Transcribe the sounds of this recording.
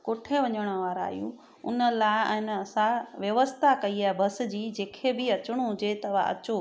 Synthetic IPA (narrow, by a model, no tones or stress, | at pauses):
koːʈʰeʋɐɲəɽ̃ə̆ʋaːɾa̰ːɦijṵ̃ | ʊ̰nə̆laɪɪnɐsãʋjɐʋəst̪ʰakɐiaːɦebʱɐs̆d͡ʑiːd͡ʑeːkʰebɪɐt͡ɕɽ̃uɦʊd͡ʑet̪ɐʋa̰ɐ̰t͡ɕo